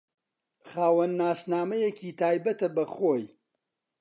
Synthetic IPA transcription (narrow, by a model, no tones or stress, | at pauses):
χaːwɐnːaːsnaːmɐjekʰiːt̪ʰaːjbɐt̪ɐbɐχoːj